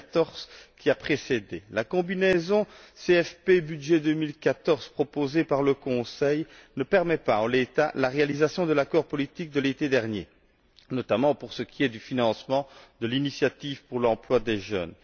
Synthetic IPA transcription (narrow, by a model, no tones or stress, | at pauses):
t̪ɔʁz̥kʲiapχesed̪elakɔ̃binɛzɔ̃seɛfpebyd̪ʒɛd̪ømilkat̪ɔʁz̥pχɔpozepaʁləkɔ̃sɛjnəpɛʁmɛpaɑ̃let̪alaʁealizasjɔ̃d̪əlakɔʁpɔlit̪ik̚d̪əlet̪ed̪ɛʁnje | nɔt̪amɑ̃puʁsəkʲʰiɛd̪yfinɑ̃smɑ̃d̪əlinisjat̪ivpuʁlɑ̃plwad̪eʒœ̰n